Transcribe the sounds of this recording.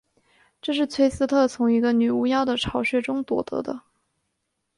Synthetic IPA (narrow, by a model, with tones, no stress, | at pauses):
ʈ͡ʂɤ˥˧ʂɻ̩˥˩t͡sʰwe˥ɪsɹ̩˥t̪ʰɤ˥˩t͡sʰʊ˧˥ŋi˧˥ɡə˧ny˨˩u˥jɑ˥ʊd̪ə˨ʈ͡ʂʰɑ˧˥ʊɕɥɛ˥˩ʈ͡ʂʊ˥ŋt̪wɔ̰˨˩t̪ɤ̰˧˥d̪ə˧